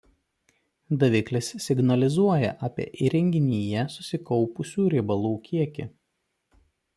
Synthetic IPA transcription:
d̪ɐʋʲɪklʲɪssʲɪɡnɐlʲɪzuɔjɛ̰ʔɑːpʲḭɛʔiɾʲɛŋʲɡʲɪnʲiːjɛsʊsʲɪkɒʊpʊsʲuːɾʲɪbɐlˠuːkʲiɛkʲɪ̰

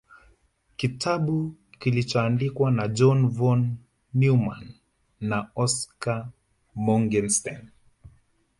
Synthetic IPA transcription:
kitʰaɓukilit͡ʃɔandikwanad͡ʒɔnvɔnː | umanː | aɔska | mɔŋɡɛnstan

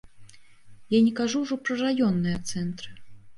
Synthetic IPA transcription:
janʲɛkaʐuwʐɔpɾɐrajɔnːɨjɐt̪sɛnt̪ɾɨ

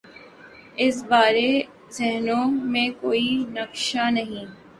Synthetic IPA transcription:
ɪsbaːɾe | zɪɦnõmẽkoːinɐkʃanɐɦĩː

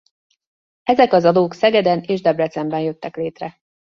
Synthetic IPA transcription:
ɛzɛkɒzɒd̪oːksɛɡɛd̪ɛneːʒd̪ɛbrɛt̪sɛmbɛnjø̞t̪ːɛkleːt̪rɛ

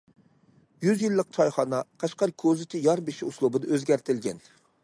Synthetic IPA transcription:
jyzjilˠːəq̚t͡ʃʰɑjχɑnɑqʰɑʃqɑɾkʲʰøzɪt͡ʃʲʰɪjɑɾbeʃiuslˠubɨd̪ɑøzɡʲæɾt̪ʰɪlɡʲɛn

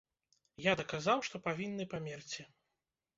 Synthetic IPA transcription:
jad̪ɐkazawʂt̪ɔpavʲinːɨpamʲɛrt͡sʲi

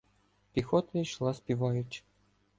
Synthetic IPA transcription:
pʲixɔt̪ɐiʃlˠɑspʲiʋɑjʊt͡ʃ

